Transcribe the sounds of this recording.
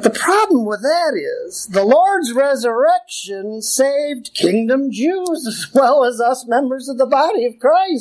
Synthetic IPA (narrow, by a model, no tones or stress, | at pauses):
ðəpʰɹ̥ɑblə̃mwəðɨɾɪ̰z̥ðəlɔɹdzɹɛzə˞ɛkʃɨ̃nseɪvdkʰɪ̃ŋdɨ̃md͡ʒʉzɨzwɛlˠəzʌsmɛ̃mbə˞zʌvðəbɑɾiʌv̥kʰɹ̥aɪs